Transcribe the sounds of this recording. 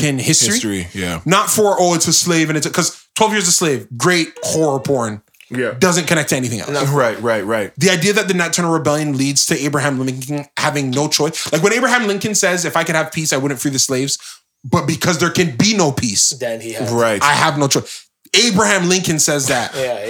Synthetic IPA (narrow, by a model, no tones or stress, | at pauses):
ɨ̃nhɪstɹiɹijæ̰nətfə˞ʔolˠɨtsɨsleɪvɨ̃ñɨtskʰʌz̥tʰw̥ɛlˠvjɪɹzʌ̥sleɪvɡɹeɪt̚kʰɔɹəpʰɔɹn | jdʌzɨ̃nkʰɨñɛk̚tʰɨɛñiθɪ̃ŋɛ̰lˠɹaɪt̚ɹaɪt̚ɹaɪt̚ðiaɪdiɨðɨt̪̚ðɨnɨtʰɜ̃˞n̩ˠɹɨbɛlˠjɨ̃nlidz̥tʰɨeɪbɹɨɦæ̃mlɪ̃ŋ̃nhævɪ̃ŋnoʊt͡ʃʰɔɪslaɪk̬wɨ̃ɾeɪbɹəɦæ̃mlɪ̃ŋkɨ̃nsɛzɨfaɪkɨɾ̚ɨv̥pʰisaɪwʊdⁿn̩tfɹiðɨsleɪvz̥ | b̥ʌt̚b̥ɨkʰʌzðə˞kʰɨ̃nbinoʊpʰisnɹaɪtʔaɪəvnoʊt͡ʃʰɔɪs | eɪbɹɨhæ̃mlɪ̃ŋkɨ̃nsɛzðɨt̚